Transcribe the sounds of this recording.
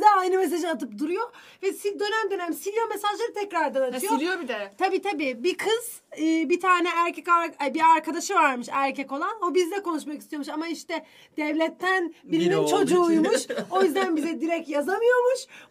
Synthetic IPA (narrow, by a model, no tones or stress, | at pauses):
d̪aːjnɯmes̬aʒɯat̪ʰɯpd̪uɾujo̞ | vɛsid̪ø̞næmd̪ø̞næmsijamesaʒlˠaɾɯt̪ʰɛcɾaɾd̪anat̪ʰɯjoɾijobid̪ɛt̪ʰabiːt̪ʰabiːbikʰɯz̥ | ɯːbit̪ʰaːnɛæɾcʰɛcabiaɾkʰad̪aʃɯvaɾmɯʃæɾcʰɛko̞lˠano̞bizd̪ɛko̞nuʃmakist̪ijo̞ɾmuʃamaiʃt̪ɛ | d̪̥ɛvlʲɛt̪ʰːænbiɾimint͡ʃʰo̞d͡ʒuːjmuʃojyzd̪ænbizɛd̪iɾɛc̚t̪jazamɯjo̞ɾmuʃ